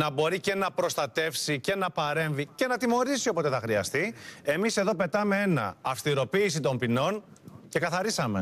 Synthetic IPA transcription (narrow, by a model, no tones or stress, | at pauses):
nɐbo̞ɾice̞nɐpɾo̞st̪ɐt̪e̞fsice̞nɐpɐɾe̞ɱvice̞nɐt̪imo̞ɾisio̞pot̪e̞θɐxɾiɐst̪ie̞mise̞ðo̞pe̞t̪ɐme̞e̞nɐ̰ɐfst̪iɾo̞piːsit̪o̞mpino̞n | ce̞kɐθɐɾisɐme̞